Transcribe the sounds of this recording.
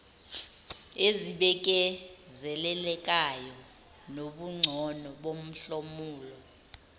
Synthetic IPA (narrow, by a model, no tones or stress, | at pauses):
eziɓɛk̬ɛzɛlɛlɛk̬ʼajɔ | noɓuŋ͡ǀʱɔnɔɓom̩ɬomuːlɔ